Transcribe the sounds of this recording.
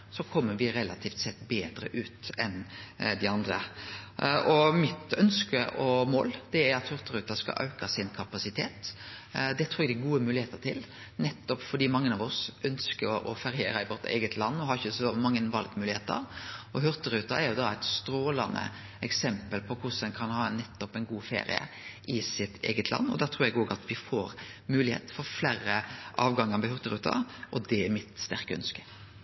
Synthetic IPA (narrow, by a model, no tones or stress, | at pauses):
sɔkʰɔmːəʋɪɾɛlɑ̰t̪ʰiːft̪sɛt̪ːbeːd̪ɾə̰ʔʉːt̪ɛnd̪ɪɑnd̪ɾə̰ | ʔɔmɪt̪œnskəʔɔmo̰ːld̪̥ɛæɾɑt̪hʉɾt̪əɾʉːt̪ɑskɑ̰ʔɑ̰ʉkɑsɪnkʰɑpɑsɪt̪ʰeːt̪ | d̪ɛt̪ʰɾuːɾæɡd̪æɛɡuːəmʉːlɪheːt̪ət̪ʰɪl | nɛt̪ːɔpfɔɾd̪iːmɑŋːənɑʋɔsʔœnskəɾʔɔfɑɾɪeːɾəɪʋɔɾt̪ḛːɡət̪ʰlɑnːɔhɑɾɪçːəsɔmɑŋːənʋɑl̚t̪mʉːlɪheːt̪ə̰ɾɔɦœɾt̪əɾʉːt̪ɑæɾjʊd̪ɑæɪt̪st̪ɾoːlɑnə̰ | ɛksɛmpəlpʰɔkʰʊsɛnkʰɑnhɑːnɛt̪ːɔpɛɪnɡuːfḛːɾɪ̰ə̰ | ʔɪsɪt̪ʰḛːɡət̪ʰlʔɑ̰nːɔ̰d̪æːʁt̪ʰɾuːɾjɛɡoːɡɑt̪ʋɪfoːɾmʉːlɪhḛːt̪fɔɾfleːɾəʔɑːʋɡɑŋːəɾʋɪhʉɾt̪əɾʉːt̪ʰɑ̰ʔɔd̪ɛɛmɪt̪st̪æɾkəœ̰nskə̥